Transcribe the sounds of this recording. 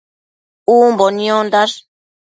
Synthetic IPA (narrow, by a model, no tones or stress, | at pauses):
uːmbonjond̪aʂ